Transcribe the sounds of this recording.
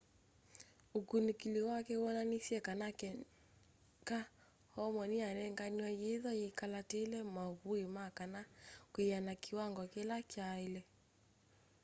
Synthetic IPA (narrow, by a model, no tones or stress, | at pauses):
ukunikiliwakɛɔnanisjɛkanakɛ | ka | hɔmɔnianɛŋɡaniwɛjeðɔjikalatelɛmaβuimakanakwianakiwaŋɡɔkelat͡ʃailɛ